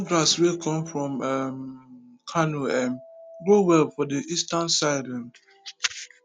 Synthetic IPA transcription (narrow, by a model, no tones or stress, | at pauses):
ɡɾaswekʰɔ̃mfɹɔ̃mɛm | kʰanuɛmɡɾowɛlfɔdiʔistãnsaɪlɛ̃m